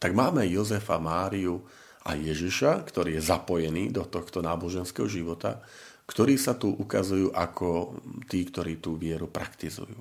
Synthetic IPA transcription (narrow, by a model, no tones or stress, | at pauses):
t̪aɡmaːmɛjɔzɛfamaːɾiu | a̰jɛʒiʃakt̪ɔɾiːjɛzapɔjɛniːd̪ɔt̪ɔxt̪ɔnaːbɔʒɛnskɛːɦɔʒiʋɔt̪a̰ | kt̪ɔɾiːsat̪uʔukazujuːʔakʰɔt̪iːkt̪ɔɾiːt̪uːʋɪɛɾupɾakt̪izṵjṵː